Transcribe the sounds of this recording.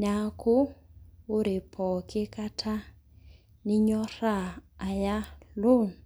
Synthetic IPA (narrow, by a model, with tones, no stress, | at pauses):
na˦kʰuː˦ | ɾi˨pʰɔ˨kʰɪ˦ka˦tʰa˦ | ni˦ɲɔ˦raː˦˨ja˦lo˦˨n